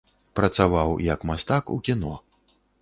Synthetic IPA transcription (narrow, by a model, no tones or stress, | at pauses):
pɾɐt̪savawjɐkmast̪akṵkʲinɔ